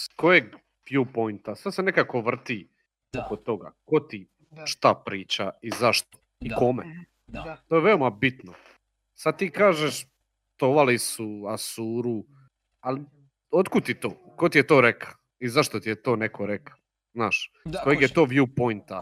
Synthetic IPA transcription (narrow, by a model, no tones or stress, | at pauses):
skojeɡ | ʋjuːpojnt̪asasene̞kako̞ʋr̩t̪i | okot̪ːo̞ɡa̰ko̞t̪i | ʃt̪apɾiːt͡ɕaizaʃt̪o̥ | iko̞mḛ | t̪oːjeʋeomabit̪no | sad̪̚t̪iːkaːʒeʃ | t̪oʋalisuasuːɾu | ali | o̞t̪kud̪̚t̪it̪oː | kot̪ijet̪o̞ːɾekʰḁ | izaʃt̪ot̪ijet̪o̞ːnekʰoɾekḁ | znaːʃ | ko̞jeɡjet̪o̞ːʋjuːpo̞jnt̪a